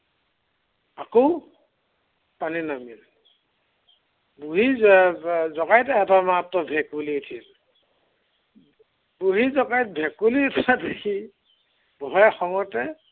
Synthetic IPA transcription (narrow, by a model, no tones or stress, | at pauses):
akow | paninamil | buɦi | zɔkajtɛɛtamattɔbʱɛkulitʰil | buɦizɔkajt̚bʱɛkuliutʰatakʰi | bɔɦɔjxɔŋɔtɛ